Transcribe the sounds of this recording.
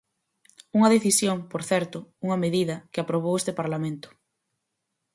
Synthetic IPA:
uŋɐðeθisjoŋpoɾθɛɾt̪ʊuŋɐmeðiðɐkɪapɾoβ̞owest̪ɪpaɾlamẽnt̪ʊ̥

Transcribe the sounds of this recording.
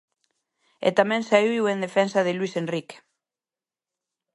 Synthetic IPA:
ḛt̪amɛ̃ŋsaiiwend̪efɛnsɐðɪlwisenrike̥

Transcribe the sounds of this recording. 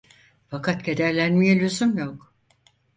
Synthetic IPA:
fakʰat̪ɟed̪æɾlʲænmijɛlʲyzymjok

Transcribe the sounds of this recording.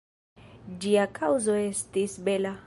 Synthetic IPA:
d͡ʒiakʰawzo̞e̞stisbe̞la

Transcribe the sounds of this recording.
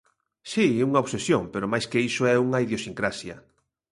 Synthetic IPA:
siuŋaoβsesjoŋpeɾomajskeisoɛuŋɐiðjosiŋkɾasjɐ̰

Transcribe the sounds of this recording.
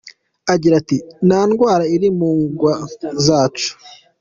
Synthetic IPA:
aɟiɾatinaːnɡwaːɾaiɾimuːŋɡwazaːt͡ʃu̥

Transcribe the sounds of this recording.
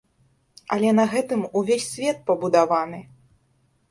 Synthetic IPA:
ɐlʲɛnɐɣɛt̪ɨmuvʲesʲsʲvʲɛt̪̚pɐbud̪avanɨ

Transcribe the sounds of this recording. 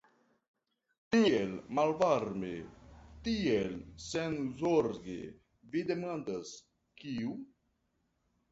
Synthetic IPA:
t̪ielmalvaɾmḛt̪ielsenzoɾɡḛ | vid̪emand̪as | kiu

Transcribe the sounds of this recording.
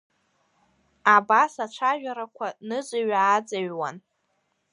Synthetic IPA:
abasat͡ʃʷʰaʒᶣaɾakʷʰanɨzʷaɥaːd͡zaɥwan

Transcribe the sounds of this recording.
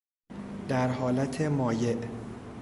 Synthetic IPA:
d̪̥æɾɦɒːlæt̪ʰe̞mɒːje̞ʔ

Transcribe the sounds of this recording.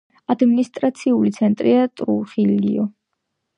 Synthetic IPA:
ad̪minist̪ʼɾat̪sʰiulit̪sʰɛnt̪ʼɾiat̪ʼɾuχilḭɔ

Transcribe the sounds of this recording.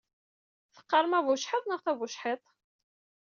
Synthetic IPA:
θə̥qːɑɾˤmævʊʃħət̪ˤnəʁθævuʃħit̪ˤ

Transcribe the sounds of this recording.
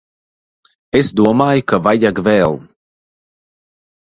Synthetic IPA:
esd̪uɔmaːjkavajaɡvɛːlˠ

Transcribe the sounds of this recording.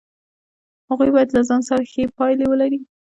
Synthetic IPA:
haɣujbɑjad̪lazɑnsaɾaxepɑjlewəlaɾi

